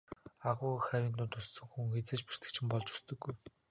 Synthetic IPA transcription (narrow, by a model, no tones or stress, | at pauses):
aʁʊːxæɾʲĭːnt̪ʊːnt̪ʰʊssɵ̆ŋxuŋxet͡seːt͡ɕpi̥r̥t̪ɘ̥̆t͡ɕʰɪ̆mpɔɮt͡ɕu̥st̪ɵ̆ɡːuj